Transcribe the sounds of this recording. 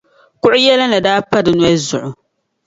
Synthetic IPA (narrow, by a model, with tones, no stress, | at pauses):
kʊ˦ʔʊ˦jɛ˦la˦nɨ˨daː˦pa˦dɨ˨nwɛ˦zʊ˨ʔʊ˨